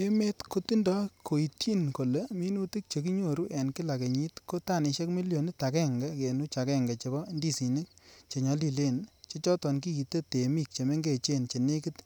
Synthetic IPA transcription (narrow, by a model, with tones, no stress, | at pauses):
e˦me˦tko˦ti˦ndɔ˦kʰo˨i˨tʰi˦nko˨le˨mi˦nu˦ti˦k̚t͡ʃe˨ki˦ɲo˦˨ɾu˦ʔɛ˨nki˦la˨ke˨ɲi˦tko˦ta˦˨ni˨ʃe˦kmi˦ljo˨ni˦ta˨kɛ˦ŋɡɛ˦ke˨nu˦t͡ʃa˨kɛ˦ŋɡa˨t͡ʃe˨bɔ˦ndi˦si˨ni˦k̚t͡ʃe˨ɲɔ˨˦li˦le˦˨nt͡ʃe˦t͡ʃɔ˦tɔ˨nk̬i˦i˨te˦te˨mi˦k̚t͡ʃe˨me˦ŋɡe˨t͡ʃe˦nt͡ʃe˨ne˦ki˦t